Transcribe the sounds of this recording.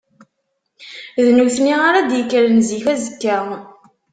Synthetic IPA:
ðnuθniʁaɾad̪jəkːælənziçæzəkːæ

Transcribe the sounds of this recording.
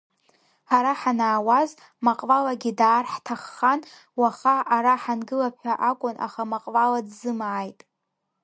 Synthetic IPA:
aɾaħanaːwaz | maqʼvalaɡʲidaːrħtʰaχːan | waχaaɾaħanɡɨlapʰħʷaʔakʷʼʊna̰χamaqʼvaladzɨmaːjtʼ

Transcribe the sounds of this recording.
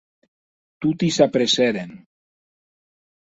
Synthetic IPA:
t̪ut̪isapɾeseɾen

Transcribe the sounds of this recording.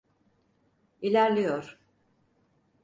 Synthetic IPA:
ilʲæɾlʲijoɾ̥

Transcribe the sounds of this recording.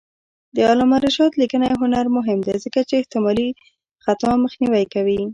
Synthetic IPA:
d̪əɑlɑmaɾɪʃɑt̪likənajɦʊnaɾmʊɦɪmd̪ezəkat͡ʃeːht̪ɪmɑli | xat̪ɑməxniwajkawi

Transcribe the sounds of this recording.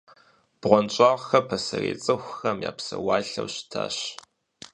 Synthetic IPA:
b̥ʁʷɔnt͡ʃʼɑʁxɐpʰɐsɐreːt͡sʼɨxʷxɐmjaːpsɐwaːɬɐwɕtʰaːɕ

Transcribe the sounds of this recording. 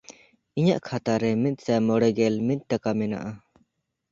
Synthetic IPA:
iɲa̰ʔkʰat̪aɾɛmit̪̚sɛmɔɽɛɡɛlmit̪̚ˀʈakamɛna̰ʔa

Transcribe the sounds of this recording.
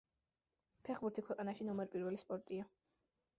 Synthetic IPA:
pʰɛχbuɾt̪ʰikʰwɛqʼanaʃinɔmɛɾpʼiɾwɛlispʼɔɾt̪ʼia

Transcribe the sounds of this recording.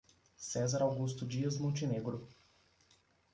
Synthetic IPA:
sɛzaɾawɡust̪ud͡ʒiəzmut͡ʃineɡɾu

